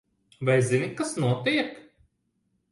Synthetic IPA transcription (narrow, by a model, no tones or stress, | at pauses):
vajzinikasnuɔt̪iɛk